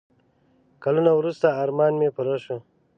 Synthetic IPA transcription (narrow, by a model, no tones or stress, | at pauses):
kalunawɾust̪aːɾmɑːnmepuɾaʃu